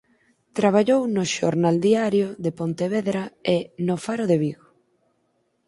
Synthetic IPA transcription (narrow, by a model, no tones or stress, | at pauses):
t̪ɾaβ̞aʎownoʃo̰ɾnald̪iaɾjoðepont̪eβeðɾaenofaɾoðeβiɣo